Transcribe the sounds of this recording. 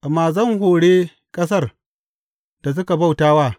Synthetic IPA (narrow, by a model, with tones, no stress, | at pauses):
ʔa˨mːaː˨zɐ˦˨ŋhoː˨ɽeː˦ | kʼɐ˦s̬ɐ˦˨r | d̥a˨s̬ʊ˦ka˨ba˦˨wtaː˦waː˦˨